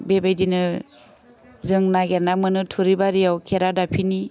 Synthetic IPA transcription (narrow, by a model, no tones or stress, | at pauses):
bebajdinɯ | zɯŋnaɡeɾnamɯnɯtʰuɾibaɾijawkʰeɾadapʰini